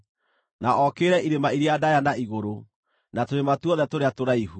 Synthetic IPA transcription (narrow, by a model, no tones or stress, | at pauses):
naɔkeːɾɛiɾemaiɾeadajanaiɣoɾo | natoɾematuɔðɛtoɾeatoɾaiɦu